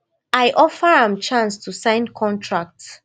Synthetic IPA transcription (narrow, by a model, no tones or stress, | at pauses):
aɪʔɔfəɹãmt͡ʃãnstusãɪ̃nkʰɔ̃ntʰɹak̚t